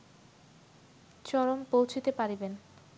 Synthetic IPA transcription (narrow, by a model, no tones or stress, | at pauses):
t͡ɕɔɾompowt͡ɕʰit̪epaɾiben